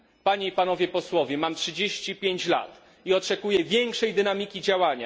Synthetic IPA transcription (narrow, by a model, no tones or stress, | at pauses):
paɲeipan̪ɔvʲjɛpɔswɔvʲjɛmamtʂɨd͡ʑeɕt͡ɕipʲjeɲt͡ɕla̰t̪ | iɔt͡ʂɛkujɛvʲjɛŋkʂɛjd̪ɘnamʲikʲid͡ʑawaɲa̰